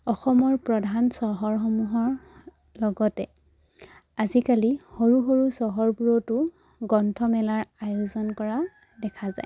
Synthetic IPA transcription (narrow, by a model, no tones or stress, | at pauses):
ɔxɔmɔɹpɹɔdʱansɔɦɔɹxɔmuɦɔɹ | lɔɡɔtɛ | azikalihoɹuɦoɹusɔɦɔɹbuɹɔtʊ | ɡɔntʰɔmɛlaɹajʊzɔnkɔɹa | dɛkʰaza̰j